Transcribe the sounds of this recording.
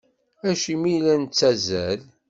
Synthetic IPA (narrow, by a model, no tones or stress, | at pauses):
æʃimilænt͡sːæzæl